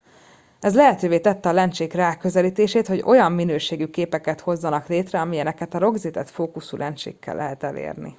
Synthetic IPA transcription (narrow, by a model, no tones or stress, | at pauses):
ɛzlɛɦɛt̪øːveːt̪ɛt̪ːɛɒlɛnt͡ʃeːkraːkːøzɛliːt̪eːʃeːt̪ho̞ɟo̞jɒmːinøːʃeːɡykeːpɛkɛt̪ho̞zːɒnɒkleːt̪rɛɒmiɛnɛkɛt̪ɒɾo̞ɡzit̪ɛt̪foːkusulʔɛnt͡ʃḛːkʰːɛ̰lːʔɛɦɛt̪ɛlḛːrnḭ